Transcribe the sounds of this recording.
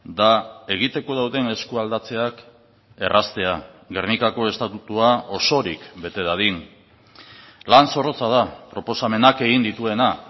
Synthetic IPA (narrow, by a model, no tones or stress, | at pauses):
d̪ae̞ɣ̞it̪e̞ko̞ð̞awðene̞skuald̪at͡se̞ak | e̞rʔast̪e̞aɣernikako̞e̞st̪at̪ut̪uao̞so̞ɾikbe̞t̪e̞ðaðin | lanso̞ro̞t͡sað̞apɾo̞po̞same̞nake̞ɣind̪it̪ue̞na